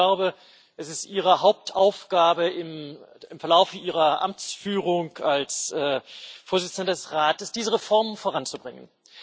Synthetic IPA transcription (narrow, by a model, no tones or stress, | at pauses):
laʊbə | ʔɛsɪstʔiːʁəɦaʊp̚tʰʔaʊfɡ̥aːbəɪmɪmfɛɐlaʊfəʔiːʁɐʔa̰mt͡sfyːʁʊŋkalsʔɛːfoːɐzɪt͡sn̩dədɛsʁaːtəsd̥iːzəʁefɔɐmənfoːʁant͡subʁɪŋə̰n